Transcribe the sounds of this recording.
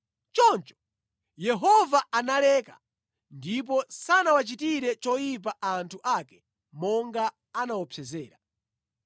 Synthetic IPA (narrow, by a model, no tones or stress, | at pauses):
t͡ʃɔnt͡ʃɔ̥ | jɛɦɔvaanalɛka̰ | ndip̬ɔsanawat͡ʃitiɾɛt͡ʃɔjip̬aʔantʰuʔakɛ̥ | mɔŋɡa | anawɔpʰɛzɛːɾa